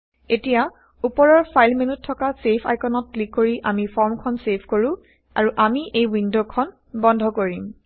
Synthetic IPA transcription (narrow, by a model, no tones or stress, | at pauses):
etija | upɔɹɔɹpʰajlmenutʰːɔkasepʰa̰jkɔnɔt̚klikːoɹiʔamipʰɔɹmkʰɔnsepʰkoɹũ | a̰ɹuʔamiʔejwindokʰɔn | bɔndʱɔkoɹim